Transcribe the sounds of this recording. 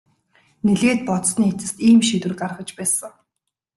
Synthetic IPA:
neɮeːt̪̚pɔt̪sniːet͡sɘ̆st̪iːmʃit̪wɘ̆rkarχə̆t͡ɕpæːsə̆ŋ

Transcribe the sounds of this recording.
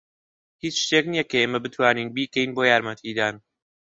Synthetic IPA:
hiːt͡ʃʃt̪eknijɛkʰɐeːmɐbɨt̪ʰwaːniːnbiːkʰɛiːnboːjaːɾmɐt̪ʰiːd̪aːn

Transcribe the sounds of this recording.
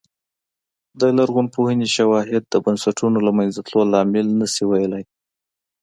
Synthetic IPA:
d̪əlaɾɣunpohəneʃawɑɦɪd̪̚ːəbansaʈʰunolamajnzat̪lolɑmɪlnəsiwajalaj

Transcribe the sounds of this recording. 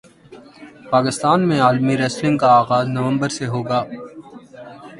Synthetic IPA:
paːkɪst̪aːnmẽaːlmiɾɛːslɪ̃ŋɡ̚kaaːɣaːznɐʋə̃mbəɾseɦoːɡaː

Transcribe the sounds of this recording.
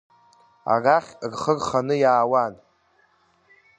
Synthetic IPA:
a̰raχʲrχərχanɨjaːwan

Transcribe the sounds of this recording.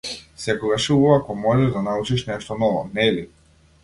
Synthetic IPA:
sɛkɔɡaʃiuvakɔmɔʒɛʒd̪anaut͡ʃiʃnɛʃt̪ɔnɔvɔnɛli

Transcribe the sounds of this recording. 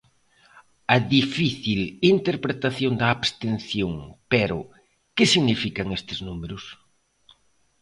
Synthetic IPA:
ɐðifiθilint̪eɾpɾet̪aθjond̪ɐːβst̪en̟θjoŋpeɾʊ̰ | kɪsiɣnifikɐŋest̪ɪznumeɾʊs

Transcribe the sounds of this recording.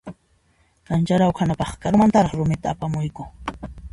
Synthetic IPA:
kant͡ʃaɾawkʰanapɑχkaɾmant̪aɾɑχɾʊmɪt̪aːpamʊjkʊ

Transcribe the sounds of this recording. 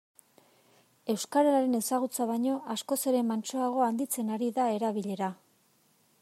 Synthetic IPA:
e̞wskaɾalaɾe̞ne̞saɣ̞ut͡saβaɲo̞ʔasko̞se̞ɾe̞mant͡ʃo̞aɣ̞o̞and̪it͡se̞naɾiðae̞ɾaβiʎe̞ɾa

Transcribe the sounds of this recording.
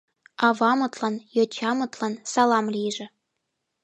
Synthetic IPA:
ɑvɑmɤ̆t̪lˠɑnjot͡ɕʰɑmɤ̆t̪lˠɑnsɑlˠɑmlʲiʒɘ̆

